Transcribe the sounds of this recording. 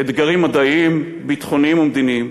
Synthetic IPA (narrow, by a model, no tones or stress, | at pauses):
ed̪ɡaʁimːad̪aim | bit̪χo̞nimumd̪inim